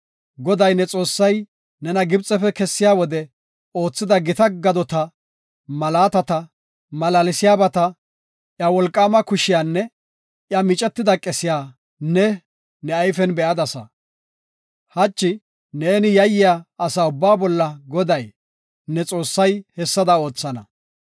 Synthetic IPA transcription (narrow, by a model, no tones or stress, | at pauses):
ɡɔd̪ɐjnɛt͡sʼo̞ːsːɐj | nɛnɐɡɪbt͡sʼːɛfɛkɛsːɪjaːwɔd̪ɛ | o̞ːt͡sːɪd̪ɐɡɪt̪ɐɡɐd̪ɔt̪ɐ | mɐlaːt̪ɐt̪ɐ | mɐlalɪsɪjaːbɐt̪ɐ | ʔjɐwɔlkʼːaːmɐkʊʃɪjaːnːɛ | ʔjɐmɪt͡ʃʼɛt̪ːɪd̪ɐkʼɛsɪjaː | nɛ | nɛɐjfɛnbɛʔɐd̪ɐsɐ̰ | hɐt͡ʃːɪ | neːnɪjɐjːɪjaːsaʊbːaːbɔlːɐɡɔd̪ɐj | nɛt͡sʼo̞ːsːɐjhɛsːɐd̪ɐo̞ːt͡sːɐnɐ